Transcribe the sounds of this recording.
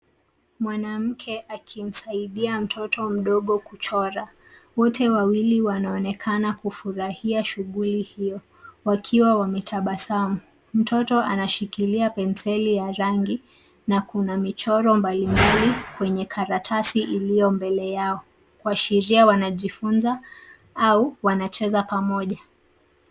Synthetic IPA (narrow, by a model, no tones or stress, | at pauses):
mwanam̩kʰɛʔakʰim̩saiɗiam̩tʰɔtʰɔm̩ɗɔɠɔkut͡ʃɔɾa | wɔtʰɛwawiliwanaɔnɛkʰanakufuɾahiaʃuɠulihijɔ | wakʰiwawamɛtʰaɓasamu | m̩tʰɔtɔʔa̰naʃikiliapɛnsɛlijaɾaŋɡi | nakunamit͡ʃɔɾɔmbalimbalikwɛɲɛkʰaɾatʰasiʔilijɔmbɛlɛjaɔ | kwaʃiɾiawanaʄifunza | auwanat͡ʃɛzapamɔʄa